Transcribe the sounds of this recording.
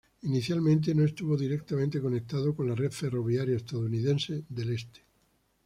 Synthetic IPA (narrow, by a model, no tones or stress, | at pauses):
iniθjalmẽnt̪̬e̞noest̪uβo̞ðiɾek̚t̪amẽnt̪eko̞nek̚t̪aðoko̞nlareðfe̞ro̞β̞jaɾjaest̪aðouniðẽ̞nseðe̞lest̪e̥